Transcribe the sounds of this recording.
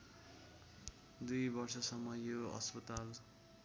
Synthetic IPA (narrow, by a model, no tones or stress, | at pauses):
d̪ujbʌrsʌsʌmːʌjoʌ̰spʌt̪al